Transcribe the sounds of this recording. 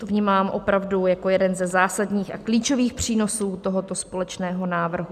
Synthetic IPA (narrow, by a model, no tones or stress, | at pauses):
t̪ovɲiːmaːmʔo̞pɾavdujako̞jɛdɛnzɛzaːsadɲiːxʔakliːt͡ʃo̞viːxpr̝̥iːno̞suːt̪oɦot̪o̞spo̞lɛt͡ʃnɛːɦo̞naːvr̩ɦu